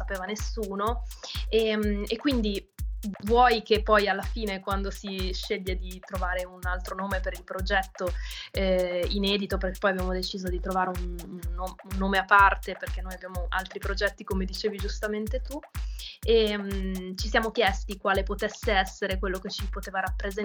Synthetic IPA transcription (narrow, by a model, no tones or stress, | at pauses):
sapeːvanesuːnoemekːwind̪i | vwɔjkepːɔjalːafiːnekwand̪osiʃeʎːed̪it̪ɾovaːɾeunalt̪ɾonoːmepeɾilpɾod͡ʒɛt̪ːoɛinɛːd̪it̪operke̥pːɔjabjamod̪et͡ʃiːzod̪it̪ɾovaːɾeununːounːoːmeapːart̪eperk̟enːoːjabjaːmoʔa̰lt̪ɾipɾod͡ʒɛt̪ːikomed̪it͡ʃeːvid͡ʒust̪ament̪et̪u | emt͡ʃisjaːmokjɛst̪ikwaːlepot̪esːeɛsːeɾekwelːoket͡ʃipot̪eːvaɾapːɾez